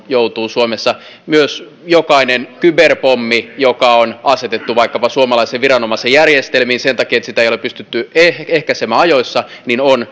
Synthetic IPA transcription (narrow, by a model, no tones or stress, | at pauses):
jowt̪uːsuomesːɑ | myøs | jokɑinenkyberpomːijokɑonɑset̪et̪ːuʋɑikːɑpɑsuomɑlɑiseʋʋirɑnomɑsejærjest̪elmiːnsent̪ɑkiːet̪sit̪æejolepːyst̪yt̪ːyeehkæsemːæːɑjoisːɑninon